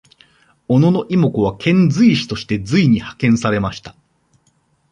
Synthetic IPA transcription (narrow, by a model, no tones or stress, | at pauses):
o̞no̞no̞ʔimo̞koβ̞akʰẽ̞nd͡zɨiɕi̥t̪o̞ɕi̥t̪e̞d͡zɨiɲ̟ihḁkẽ̞ɰ̃saɾe̞maɕi̥t̪ḁ